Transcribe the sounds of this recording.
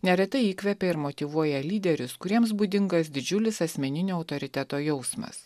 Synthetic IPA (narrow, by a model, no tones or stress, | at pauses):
nʲɛɾʲɛt̪ɐɪiːkʋʲɛpʲɛɪɾmot̪ʲiʋuɔjɛlʲiːd̪ʲɛɾʲʊskʊɾʲiɛms̬buːd̪ʲɪŋɡɐs̬d̪ʲɪd͡ʒʲʊlʲɪsɐsʲmʲɛnʲɪnʲoːɐʊt̪oːɾʲɪt̪ʲæt̪oːjɛʊsmɐ̰s